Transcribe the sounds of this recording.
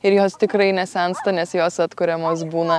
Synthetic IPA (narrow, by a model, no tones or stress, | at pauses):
ɪɾjoːst̪ʲɪkɾɐɪnʲɛsʲɛnst̪ɐnʲɛsjoːsɐt̪kʊɾʲɛmoːsbuːnɐ